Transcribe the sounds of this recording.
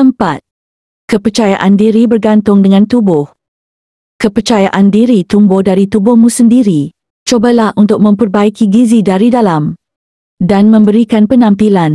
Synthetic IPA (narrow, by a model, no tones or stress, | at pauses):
t̪əmpa̰t̪̚ | kəpərt͡ʃajaʔandiɾibərɡant̪ʊŋdəŋãnt̪ubʊh | kəpərt͡ʃajaʔandiɾit̪umbʊhdaɾit̪ubʊhmũsəndiɾi | t͡ʃobalahunt̪ʊk̚mə̃mpərbaikiɡizidaɾidalam | danmə̃mbəɾikanpənãmpilan